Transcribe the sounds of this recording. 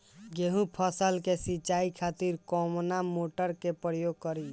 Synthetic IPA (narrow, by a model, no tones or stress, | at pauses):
ɡeɦũpʰəsəlkesit͡ʃaikʰat̪iɾkɔmnamoʈəɾkepɾəjoɡ̚kəɾi